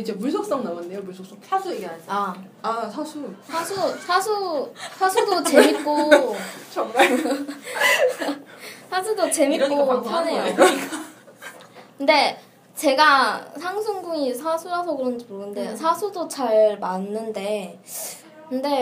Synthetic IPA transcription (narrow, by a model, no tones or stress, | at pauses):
id͡ʑe̞muɭsʰʌp̚s͈ʌŋnawanːejomuɭsʰop̚s͈ʌŋsʰasʰueɡeasa | asʰasʰusʰasʰusʰasʰusʰasʰudot͡ɕe̞mik͈ot͡ɕʰʌa | sʰasʰudot͡ɕe̞mik͈ːooane̞jo | kɯnde̞ | t͡ɕe̞ɡasʰaŋsʰoŋɡuŋisʰasʰuɾasʰʌkɯɾʌnd͡ʑimoɯnde̞sʰasʰudot͡ɕaɭmanːɯnde̞ | kɯnde̞